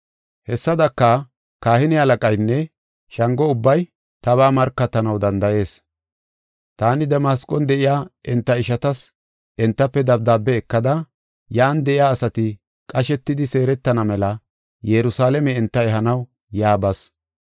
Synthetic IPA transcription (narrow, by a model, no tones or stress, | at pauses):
hɛsːɐd̪ɐkːɐ | kaːhɪnɪɐlɐkʼɐjnːɛ | ʃɐŋɡɔʊbːɐj | t̪ɐβaːmɐɾkːɐt̪ːɐnɐwd̪ɐnd̪ɐje̞ːs | t̪aːnɪd̪ɛmaːskʼɔnd̪ɛʔɪjaːʔɪnt̪ːɐɪʃɐt̪ɐs | ʔɛnt̪ːɐpːɛd̪ɐb̚d̪aːbːɛːkːɐd̪ɐ | jaːnd̪ɛʔɪjaːsɐt̪ɪ | kʼɐʃɛt̪ːɪd̪ɪse̞ːɾɛt̪ːɐnɐmɛlɐ | jɛɾʊsaːlɛmɛɪnt̪ːɐɛɦɐnɐw | jaːbɐs